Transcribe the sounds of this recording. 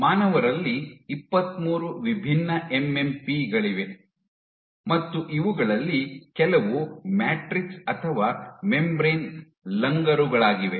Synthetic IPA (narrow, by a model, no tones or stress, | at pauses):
maːnɐʋɐɾɐlːiːpːɐt̪muːɾuʋibʱinːɐʔemempiɡɐɭiʋe̞ | mɐt̪ːuʔiʋuɡɐɭɐlːikɛlɐʋumaːʈɾiksɐt̪ʰɐʋaːmembɾeːn | lɐŋɡɐɾuɡɐɭaːɡiʋe